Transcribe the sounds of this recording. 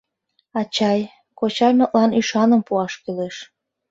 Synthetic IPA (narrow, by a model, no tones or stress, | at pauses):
ɑt͡ɕɑj | kot͡ɕɑjməʔ̪lɑnyʃɑnəmpuɑʃkyleʃ